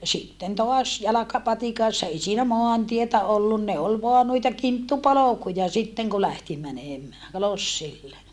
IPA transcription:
sitːen toɑs jɑlɑkɑpɑtikɑsːɑ ei siːnæ moɑntietæ olːun ne ol ʋoɑ nuitɑ kintːupolokujɑ sitːeŋ ku læhti mæneˑmæː losːilːe

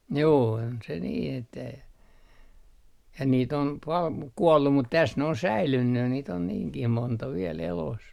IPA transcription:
juː on se niː etːæ jɑ niːt om pɑl muk kuolːu mut tæs ne on sæilynːy niːt on niːŋkih montɑ ʋiel elos

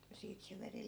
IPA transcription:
jɑ siːt se ʋeri

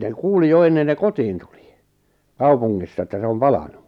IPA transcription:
ne kuːli jo enːen ne kotiːn tuli̥ kɑupuŋːisːɑ etːæ se om pɑlɑnu

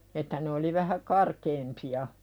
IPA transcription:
etːæ ne oli ʋæhæ kɑrkeːmpiɑ

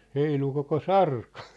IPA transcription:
heilu koko sɑrkɑ̥

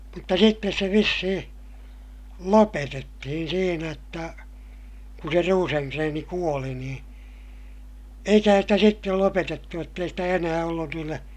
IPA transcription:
mutːɑ sitːes se ʋisːihĩː lopetetːihin siːnæ jotːɑ kun se ruːseŋkreːni kuoli nĩː eikæhæn sitæ sitːel lopetetːu jotː ei stæ enæː olːun niːlːe

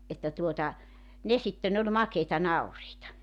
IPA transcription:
etːæ tuotɑ ne sitːen olʲ mɑkeitɑ nɑuriːtɑ

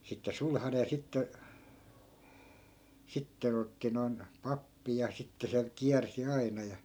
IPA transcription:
sitːe sulhɑne jɑ sitːe sitːen otːi noi̯n pɑpːi jɑ sitːe se kiærsi ɑinɑ jɑ

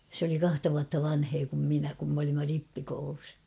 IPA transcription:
sĕ oli kɑhtɑ ʋuɑtːɑ ʋɑnheː kum minæ kum m olimːɑ ripːikoulus

